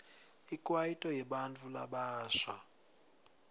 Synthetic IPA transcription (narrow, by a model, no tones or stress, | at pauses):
ikʼwajitʼɔjɛɓant͡fʰʼulaɓaːʃa